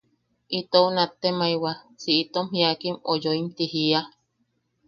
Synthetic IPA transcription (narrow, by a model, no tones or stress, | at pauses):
it̪ounat̪ːemaiwa | siʔit̪omɦiakimojoimt̪ihia